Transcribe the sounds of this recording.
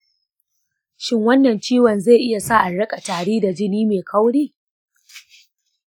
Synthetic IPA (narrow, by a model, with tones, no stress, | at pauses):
ʃɪ˦ŋwɐ˦nːɐ˨nt͡ʃiː˦wɐ˨nze˦˨ʔɪ˦ja˨saː˦ʔa˨ɽɐ˦kʼa˨taː˨ɽiː˦da˨d͡ʒɪ˦niː˦meː˨kʰɐ˦wɽiː˦˨